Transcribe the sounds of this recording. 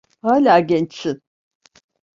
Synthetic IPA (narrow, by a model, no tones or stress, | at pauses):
haːlʲaːɟʲɛnt͡ʃɪn